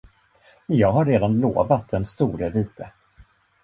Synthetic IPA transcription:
jɑːɡɦaɾːeːd̪anlo̰ːvat̪̚d̪ɛnst̪uːɾəviːt̪ʰə

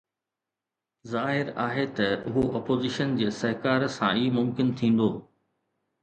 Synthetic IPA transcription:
zaːɦɪɾaːɦet̪ɐʊɦoʔɔːpoːzɪʃənd͡ʑeːsɐɦɪkaːɾsã̰iːmʊmkɪnt̪ʰĩːn̆d̪oː

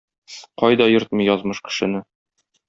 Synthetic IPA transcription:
qɒjd̪ɒjɤɾt̪̚mɤ̆jɒzmɤʃkɘ̥̆ʃɘ̆nɘ

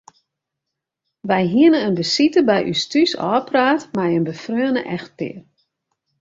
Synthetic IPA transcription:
ʋɛjɦiənəənbəsitəbɛjʔy̰stysɔ̰ːpraːtmɛjənbəfrøənə̰ʔɛxtɪ̰ər

